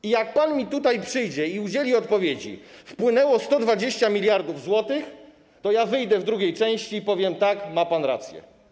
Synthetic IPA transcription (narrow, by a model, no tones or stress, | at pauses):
ijak̚panmʲit̪ut̪ajpʂɘjd͡ʑɛiud͡ʑelʲiɔt̪̚pɔvʲjed͡ʑḭfpwɘnɛwɔst̪ɔd̪vad͡ʑeɕt͡ɕamʲilʲjaɾd̪uvzwɔt̪ɘx | t̪ɔjavɘjd̪ɛvd̪ɾuɡʲejt͡ʂɛ̃w̃ɕt͡ɕiːpɔvʲjɛmt̪akmapanɾa̰t̪sʲjɛ̰